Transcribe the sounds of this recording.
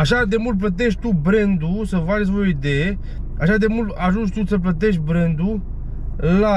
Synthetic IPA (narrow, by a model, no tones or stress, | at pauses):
aʃad̪e̞mult̪̚plət̪̬e̞ʃʲt̪ubɾe̞nd̪usəvatsʲvooid̪e̞je | aʃad̪e̞mult̪aʒunt͡ʃt̪usəp̬lət̪̬e̞ʃʲbɾend̪u | la